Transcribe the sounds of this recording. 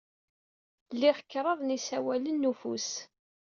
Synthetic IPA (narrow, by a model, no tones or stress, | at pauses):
lːiʁəkːɾˤəðˤnisæwælənːufṵs